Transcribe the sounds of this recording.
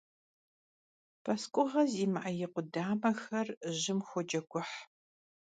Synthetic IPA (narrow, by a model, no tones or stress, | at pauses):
pʰɐskʷʼʊʁɐziːmɨʔɐjɪqʷʊdaːmɐxɐrʑɪmxʷɔd͡ʒɐɡʷʰʼʊħ